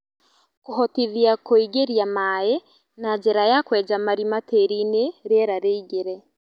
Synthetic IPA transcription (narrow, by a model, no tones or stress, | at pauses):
koɦɔtiðjakoiɡeɾjamaje | nad͡ʒeɾajakwɛːd͡ʒamaɾimateɾineɾeɾaɾeiɡeɾɛ